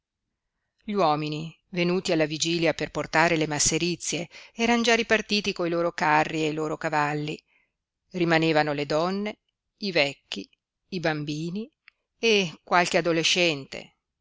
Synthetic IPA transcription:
ʎwɔːmini | venuːt̪ialːavid͡ʒiːljaperport̪aːɾelemasːeɾit̪sːjeɛːɾand͡ʒaripart̪iːt̪ikoiloːɾokarːieiloːɾokavalːḭ | rimaneːvanoled̪ɔnːe | ivɛkːiː | bambiːni | ekwalk̟ead̪oleʃːɛnt̪ḛ

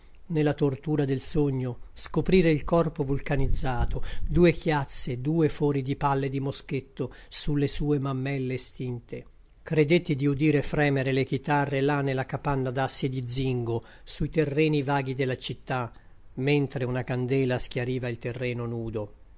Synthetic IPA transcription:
nelːat̪ort̪uːɾad̪elsoɲːoskopɾiːɾeilkɔrpovulkanid̪zːaːt̪od̪uːekjat̪sːed̪uːefɔːɾid̪ipalːed̪imosket̪ːo | sulːesuːemamːɛlːest̪int̪e | kɾed̪et̪ːid̪iud̪iːɾefɾɛːmeɾelek̟it̪arːelanːelakapanːad̪asːjed̪id̪ziŋɡo | suit̪erːɛːnivaːɡ̟id̪elːat͡ʃit̪ːa | ment̪ɾeunakand̪ɛːlask̟jaɾiːvailt̪erːɛːnonuːd̪o

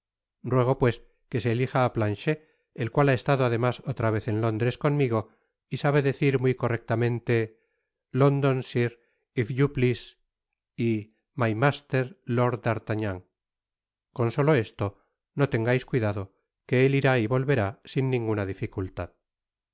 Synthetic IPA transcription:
rrwe̞ɣ̞o̞pwe̞s | ke̞se̞ːlixaːplanʃeː | lkwalae̞st̪aðoaðe̞maso̞t̪ɾaβ̞e̞θe̞nlo̞nd̪ɾe̞sko̞nmiɣ̞o̞ | isaβe̞ðe̞θiɾmujko̞rek̚t̪amẽ̞nt̪e̞ | lo̞nd̪o̞nsiɾ | ifʎuplis | i | majmast̪e̞ɾlo̞ɾd̪aɾt̪aɲaŋ | ko̞nso̞lo̞e̞st̪o̞ | no̞t̪e̞ŋɡajskwiðaðo̞ | ke̞eliɾaiβo̞lβe̞ɾasinːĩŋɡunaðifikult̪að

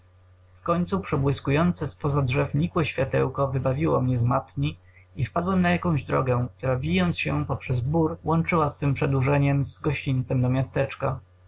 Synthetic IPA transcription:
fkɔɲt̪supʂɛbwɘskujɔnt̪sɛspɔzadʐɛfɲikwɛɕfʲjat̪ɛ̰wkɔvɘbavʲiwɔmɲɛzmat̪ɲi | ifpad̪wamnajakɔ̃w̃ʑd̪ɾɔ̰ɡɛk̚t̪uɾabʲijɔnt̪sɕɛpɔpʂɛzbuɾwɔnt͡ʂɘwasfɘmpʂɛd̪uʐɛɲɛmzɡɔɕt͡ɕint̪sɛmd̪ɔmʲjast̪ɛt͡ʂka

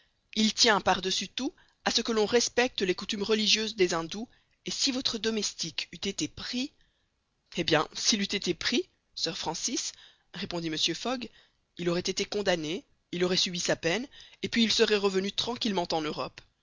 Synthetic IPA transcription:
ilt̪jɛ̃paʁd̪əsyt̪u | asəkəlɔ̃ʁɛspɛk̚t̪lekut̪ymʁəliʒjøzd̪ezɛ̃d̪u | esivɔt̪χəd̪ɔmɛst̪ikyt̪et̪epχi | ebjɛ̃silyt̪et̪epχi | sœʁfχɑ̃sis | ʁepɔ̃d̪iməsjøfɔɡ | ilɔʁɛt̪et̪ekɔ̃d̪ane | ilɔʁɛsɥibisapɛnepɥiːlsəʁɛʁəvənyt̪χɑ̃kʲilmɑ̃t̪ɑ̃nøʁɔp

